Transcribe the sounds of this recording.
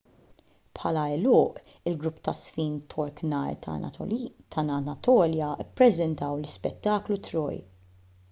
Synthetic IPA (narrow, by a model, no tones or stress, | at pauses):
pħɐlɐɛlʊːʔɪlɡɾʊpːt̪ɐsfiːnt̪ʰɔɾknɐ̰j̰ | t̪ʰɐnɐɐt̪ɔːljɐɪpːɾɛzɛnt̪ɐwlɪspɛt̪ːɐːklut̪ɾɔ̰ːj